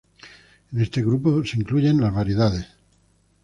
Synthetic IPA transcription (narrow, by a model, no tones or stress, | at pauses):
ene̞st̪e̞ɣ̞ɾuposeiŋkluʝe̞nlazβaɾje̞ðaðe̞s